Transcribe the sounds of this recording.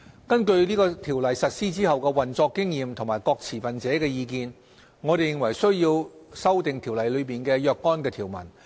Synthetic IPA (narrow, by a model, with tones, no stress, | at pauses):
kɐ˥nkɵ˧ɥniː˥kɔː˧t̪ʰiː˨˩wlɐ˨jsɐ˨t̚siː˥t͡siː˥hɐ˨wkɛː˧wɐ˨nt͡sɔː˧kːɪ˥ŋjiː˨˧mt̪ʰŋmaː˨˩jkɔː˧k̚t͡sʰiː˨˩fɐ˨nt͡sɛː˨˥kɛː˧jiː˧kiː˧n | ŋɔː˨˧ɾe˨jɪ˨˧ŋwɐ˨˩jsɵ˥ɥjiː˧wsɐ˥wt̪ɪ˨ŋt̪ʰi˨˩wlɐ˨jlɵ˨˧ɥpiː˨nkɛː˧jœː˧kːɔː˥nkɛː˧t̪ʰiː˨˩wmɐ̰˨˩n